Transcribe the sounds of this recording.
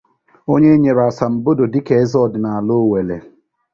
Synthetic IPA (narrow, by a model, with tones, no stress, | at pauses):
o˦ɲe˦ɲe˨ɾa˨sa˨m̩˨bo˦do˨di˦ke˨e˦zɔ˦˨dɪ˨na˨a˨lo˦˨we˨le˨